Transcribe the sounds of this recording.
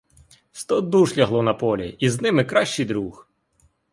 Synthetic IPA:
st̪ɔd̪uʃlʲɐɦlˠɔnɐpɔlʲḭiznɪmɪkɾɑʃt͡ʃijd̪ɾux

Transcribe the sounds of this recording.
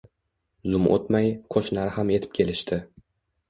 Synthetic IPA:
zʊmʔo̰t̪majqʰoʃnaɾɪhame̞t̪ʰɪ̥p̚kʲʰe̞lɪʃt̪ʰɪ

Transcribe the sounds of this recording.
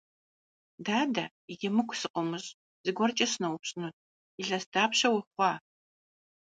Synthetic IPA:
daːdɐ | ijemɨkʷʰsɨqʷʼʊmɨɕʼ | z̥ɨɡʷɔrt͡ʃʼɐɕnɐwʊpɕʼnut̚ʰʼ | iɮɐsdaːpɕɐwʊχʷɑː

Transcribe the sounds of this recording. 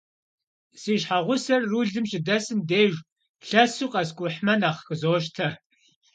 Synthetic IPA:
siːʃħaʁʷʊsɐrːuɮɨmʃɪdɐsɨmdeːʒ | ɬɐsuːqʼɐskʷʼʊħmɐnaːχxəzoːʃ̬tʰɐ

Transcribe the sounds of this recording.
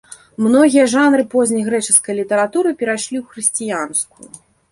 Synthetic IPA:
mnɔɣʲijɐʐanɾɨpɔzʲnʲɐjɣɾɛt͡ʂɨskɐjlʲit̪ɐɾat̪uɾɨpʲɛɾajʂlʲiwxɾɨsʲt͡sʲijanskujṵ

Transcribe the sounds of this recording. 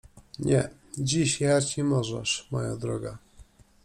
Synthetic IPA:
ɲɛd͡ʑiɕjat͡ɕimɔʐɛ̰ʂmɔjad̪ɾɔɡa

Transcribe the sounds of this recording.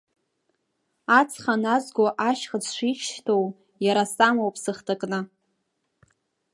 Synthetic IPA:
at͡sʰχanazɡʷoʔaʃχət͡sʰʃʷiχʃtʰow | jaɾasamowpʰsɨχtʰakʼnɨ

